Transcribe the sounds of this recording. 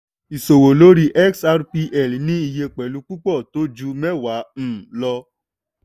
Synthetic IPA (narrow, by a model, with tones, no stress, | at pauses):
i˨so˨wo˨lo˨˦ɾi˦ʔɛ˦ksa˧ɾpi˧ʔɛ˦˨lnĩ˦i˧je˧k͡pɛ˨lu˨˧k͡pu˦k͡pɔ˦˨to˨˦d͡ʒu˧mɛ̃˦wa˨˦m̩̃˦˨lɔ˧